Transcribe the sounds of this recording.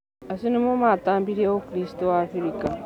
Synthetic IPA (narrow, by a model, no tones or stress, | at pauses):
asinimomaːt̪aːmbiɾiawokiɾistowaːfiɾika